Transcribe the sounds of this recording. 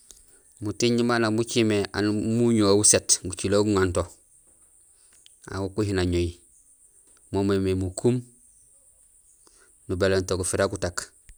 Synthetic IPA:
mutiɲimanamut͡ʃimea̰nmuɲoawusetɡut͡ʃiloɡuŋanto | a̰wukuhinaɲoi | momememukum | nubelentokufiɾakutak

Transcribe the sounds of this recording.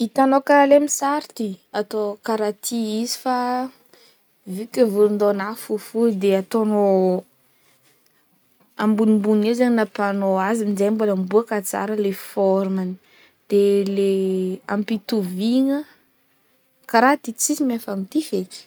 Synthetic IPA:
it̪anokalemisaɾt̪iat̪okaɾat̪ʰiizi̥fa | vikʲevulund̪onafufud̪eat̪ono | ambunimbunizaɲinapanoaziminzejboləmbuakat͡sa̰ɾəlefɔɾmani̥ | d̪̥elea̰mpit̪uviŋə | kaɾat̪it͡sisimefamit̪ifek

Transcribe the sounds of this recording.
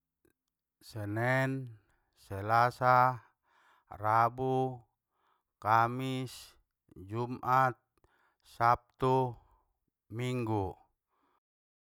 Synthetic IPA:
sɛnɛn | sɛlasa | rabu | kamis | d͡ʒumʔat̪̚ | sap̚t̪u | miŋɡu

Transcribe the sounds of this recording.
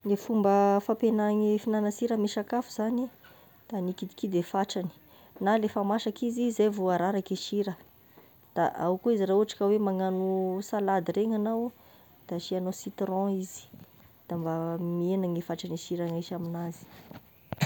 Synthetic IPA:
nefumbəfapenaŋifinanəsiɾəmiʃakafuz̥ani | d̪̥anikid̪i̥kid̪efaʈ͡ʂani̥ | nalefamaʃakizizajvoaɾaɾakiʃiɾə | d̪̥aʔawkuizirauaʈ͡ʂḁkəwemaŋanusalad̪iɾeŋanaw | d̪̥aʃianosit̪ɾɔ̃izi̥ | d̪̥ambamienaŋefaʈ͡ʂaniʃiɾaŋaʃaminazi̥

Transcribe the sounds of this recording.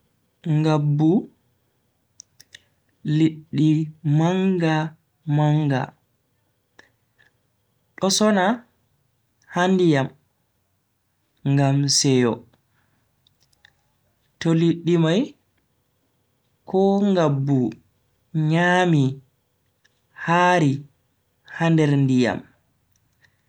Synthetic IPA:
ŋɡabːu | liɗːimaŋɡa | maŋɡa̰ | ɗɔsɔna | handijam | ŋɡamsɛjɔ | toliɗːimaj | kʰɔŋɡabːu | ɲaːmi | haːɾi | handɛɾndija̰m

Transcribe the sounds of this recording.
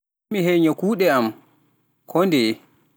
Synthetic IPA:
miɦɛjɲakuːɗɛam | kʰɔndɛ

